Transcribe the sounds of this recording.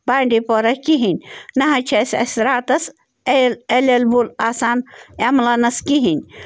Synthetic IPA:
baːɳɖipoɾɐkiɦinʲnɐɦɐt͡ʃʰɐsʲɐ̰sʲɾaːt̪ɐs | elelelbulaːsaːnemlɐnɐskiɦinʲ

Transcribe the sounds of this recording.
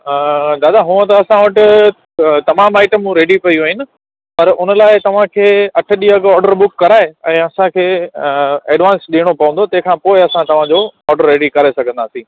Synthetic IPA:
d̪aːd̪aɦũːə̃t̪ɐɐsãʋɐʈɪ | t̪ɐmaːmaːɪʈəmũɾeːɖipɐjiaːɦɪnɪ̆ | pɐɾʊnəlaːɪt̪ɐʋ̤ãkʰeːɐʈʰʊ̆ɗiːɐɡɔːɾɖəɾbʊkːɐɾaːeɛ̃ːɐsãkʰeː | eːɖʋãːnsɗiːɽ̃opɐʋə̃nd̪ot̪ɐ̃ɦɪ̃kʰãːpoːɪɐsãt̪ɐʋ̤ãd͡ʑoɔːɾɖəɾːeːɖikɐɾesɐɡʱə̃nd̪aːsĩː

